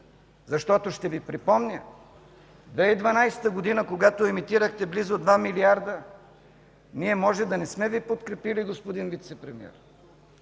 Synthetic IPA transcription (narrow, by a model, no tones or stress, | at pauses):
zɐʃt̪ɔt̪oʃt̪ɛvipɾipɔmnʲə | d̪vɛid̪vɐnajsɛ̥t̪əɡod̪inəkoɡat̪oɛmit̪iɾəxt̪ɛblizod̪vamiliaɾd̪ə | niɛmɔʒɛd̪ɐnɛsmɛvipot̪kɾɛpiliɡospod̪invit̪sɛpɾɛmḭɛ̰ɾ